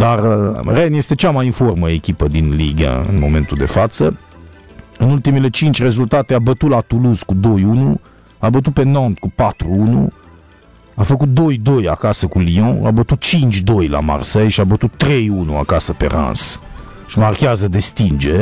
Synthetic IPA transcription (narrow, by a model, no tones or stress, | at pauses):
d̪arrenje̞st̪e̞t͡ʃamajinfo̞rməekʲipəd̪inliɡə̰ɨ̰nmo̞me̞nt̪uld̪e̞̰fat̪sə | ɨnult̪imele̞t͡ʃint͡ʃʲre̞zult̪at̪e̞abət̪ut̪lat̪uluzkud̪o̞junu | abət̪̬ut̪̚pe̞nɔ̃nt̪̚kupat̪ɾuunṵ | afəkut̪̚d̪o̞jd̪o̞ja̰kasəkuliõa̰bət̪ut̪̚t͡ʃint͡ʃʲd̪o̞jla̰ma̰rsejʃiabət̪ut̪ːɾe̞junua̰kasəpe̞̰ra̰ns | ʃimarkʲeazəd̪e̞st̪ind͡ʒe̞